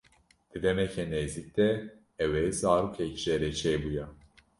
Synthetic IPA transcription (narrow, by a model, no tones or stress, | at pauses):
d̪̥ɨd̪ɛmɛcʰɛneːzik̚d̪̥ɛː | wɛjzaːɾukʰɛcʒ̥ɛɾɛt͡ʃʰɛːbujɛ